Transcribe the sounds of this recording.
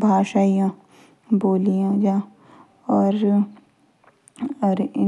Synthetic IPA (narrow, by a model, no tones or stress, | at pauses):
bʱaːʃaːijã | boːlijãːd͡ʒaː | ɔːɾ | ɐɾɪ